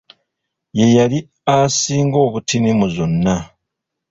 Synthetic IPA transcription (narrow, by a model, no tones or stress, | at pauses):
je̞jali | asiːŋɡo̞ːβutinimuzo̞nːa